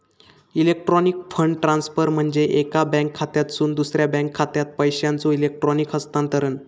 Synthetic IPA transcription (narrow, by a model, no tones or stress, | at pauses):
ilek̚ʈɾɔnikfʰəɳɖʈɾãnsfəɾm̤əɳd͡zeʔekabɛ̃ŋkʰːat̪jat̪suːnd̪usɾjabɛ̃ŋkʰːat̪jat̪̚pəjɕjant͡soilek̚ʈɾɔnikɦəst̪ãnt̪əɾən